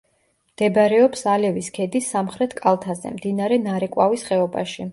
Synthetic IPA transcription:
md̪̥ɛbɾɛɔpsalɛviskʰɛd̪isːamχɾɛt̪ʰkʼalˠt̪ʰazɛ̰md̪inaɾɛnaɾɛkʼwavisχɛɔba̰ʃi

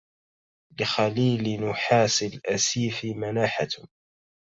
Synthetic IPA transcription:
lɪxaliːlnʊħaːsɪlʔasiːfmanaːħat

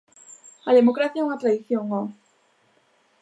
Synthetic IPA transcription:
aðemokɾaθjauŋat̪ɾaðiθjoŋo

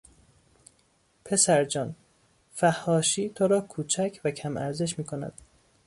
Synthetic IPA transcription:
pʰe̞sæɾd͡ʒɒːn | fæhːɒːʃiːt̪ʰoɾɒːkʰuːt͡ʃʰæcʰvæcʰæmʔæ̰ɾze̞ʃ̬miːkʰo̞næ̰d̪̥̚

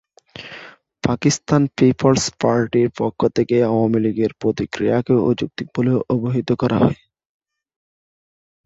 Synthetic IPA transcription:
pakist̪anpipʰolspaɾʈiɾpɔkʰːot̪ʰekeawamiliɡeɾpɾot̪ikɾijakeod͡ʑuk̚t̪ik̚boleoʔoboɦit̪okɔɾʔaɦɔ̰e

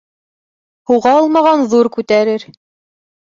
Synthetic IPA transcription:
huʁɑɤlˠmɑʁɑnðuɾkʉt̪æɾɘɾ

